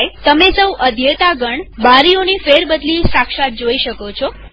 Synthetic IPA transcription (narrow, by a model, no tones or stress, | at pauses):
jt̪əmesəwʔəd̪ʱjet̪aɡəɳbaɾionifeɾbəd̪lisakʃat̪̚d͡ʒoiʃəkot͡ʃʰo